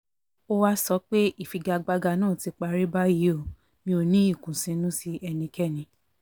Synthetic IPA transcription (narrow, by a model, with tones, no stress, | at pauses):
o˦wa˦sɔ˧˦k͡pe˦ʔi˦˨fi˨ɡa˧ɡ͡ba˧ɡa˧nãː˦˨ti˨˧k͡pa˧ɾi˦ba˦ji˨˦o˦˨ | mĩ˧˦o˧˨nĩ˦i˦˨kũ˨sĩ˧˦nũ˦si˦ɛ˧nĩ˧kɛ˦˨nĩ˧˦